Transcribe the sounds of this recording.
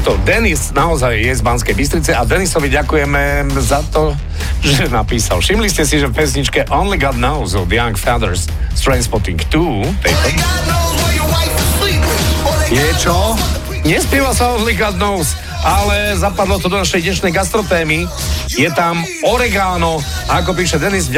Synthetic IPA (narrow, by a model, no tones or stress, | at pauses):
t̪ɔd̪ɛnisnaɔzajːɛzbanskɛjbis̬t̪ɾit͡sɛad̪ɛnisɔʋiɟakujɛmɛzat̪ɔ | ʒɛnapiːsa̰lʃimliscɛsiʒɛfpɛsɲit͡ʃkɛʔɔ̃nliɡɔd̪̚nɔʊzɔd̪jaŋkfad̪ɛɾs | t̪ɾanspɔɾt̪iŋkt̪uː | t̪ɛjt̪ɔ | nɛt͡ʃɔ | ɲɛspiːʋalsaɔnliɡɔd̪̚nɔʊs | ʔalɛzapad̪lɔt̪ɔd̪ɔnaʃɛjɲɛʃnɛjɡast̪ɾɔt̪ɛːmi | jɛt̪am | ɔɾɛɡaːnɔakɔp̬iːʃɛd̪ɛniz